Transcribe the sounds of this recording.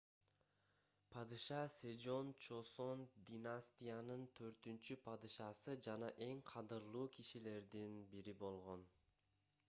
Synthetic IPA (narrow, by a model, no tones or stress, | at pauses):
pʰɑd̪ɯʃɑsʲed͡ʒo̞nt͡ʃo̞so̞nd̪ʲinasʲt̪ʲijanɯnt̪ʰø̞ɾt̪ynt͡ʃypʰɑd̪ɯʃɑsɯd͡ʒɑnɑʔe̞ŋqʰɑd̪ɯɾlˠuːkʰiʃile̞ɾd̪inbiɾibo̞lˠʁo̞n